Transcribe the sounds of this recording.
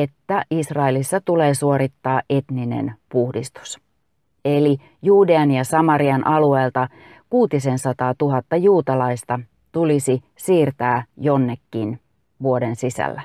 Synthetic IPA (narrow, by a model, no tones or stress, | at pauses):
e̞t̪ːæʔisrɑelisːæt̪ule̞ːsuo̞ɾit̪ːɑːʔe̞t̪ninḛnpuhdist̪u̥s | e̞li | juːde̞ɑnjɑsɑmɑɾiɑnʔɑlue̞ːlt̪ɑ | kuːt̪ise̞nsɑt̪ɑːt̪uɦɑt̪ːɑjuːt̪ɑlɑist̪ɑ | t̪ulisi | siːrt̪æːjo̞nːe̞kːin | ʋuo̞densisæ̰lːæ